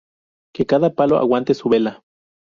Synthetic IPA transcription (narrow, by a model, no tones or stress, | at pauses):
kekaðapaloa̰want̪esuβela